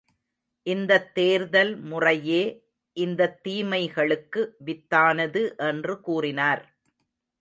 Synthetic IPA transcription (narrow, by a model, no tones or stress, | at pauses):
ʔɪnd̪ɐt̪ːeːɾðɐlmʊrɐjeː | ʔɪnd̪ɐt̪ːiːmɐɪɣɐɭɯkːɯʋɪt̪ːaːnɐðɯʔɛndrɯkuːrɪnaːɾ